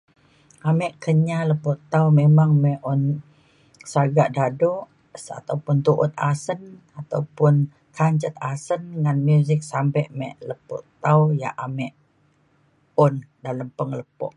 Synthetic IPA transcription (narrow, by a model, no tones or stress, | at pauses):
ʔamɛʔkəɲaləpuʔt̪awmemaŋmɛʔɔn | saɡaʔdadɔʔ | a̰t̪awpʊnt̪uʔʊ̰t̪̚asən | at̪a̰wpʊn | kʰaɲt͡ʃət̪̚asənŋanmjuzɪk̚sampɛʔmɛʔləpṵʔt̪awja̰ʔʔamɛʔ | ɔndaləmpəŋləpɔ̰ʔ̚